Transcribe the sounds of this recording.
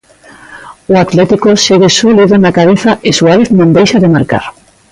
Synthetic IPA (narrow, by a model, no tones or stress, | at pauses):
ʊat̪lɛt̪ikoʃeɣesuliðonakaβ̞eθaʔɪsuaβeθnõnd̪ejʃaðɪmaɾka̰ɾ